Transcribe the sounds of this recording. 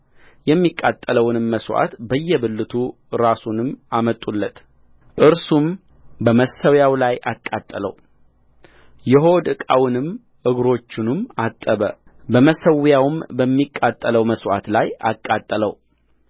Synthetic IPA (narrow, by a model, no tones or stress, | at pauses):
jɛmːikʼːat̪ʼːələwnɨmːəswa̰t̪bəjːɛbɨlːɨt̪ʰu | ɾasunɨmamət̪ʼːulːət̪ | ʔɨɾsum | bəməsəwjawlaja̰kʼːat̪ʼːələ̰w | jɛɦo̞d̪ɨkʼawnɨm | ʔɨɡɾo̞t͡ʃːɪnɨmat̪ʼːəβə̰ | bəməsəwjawɨmbəmːikʼːat̪ʼːələwməswa̰t̪laja̰kʼːat̪ʼːələ̰w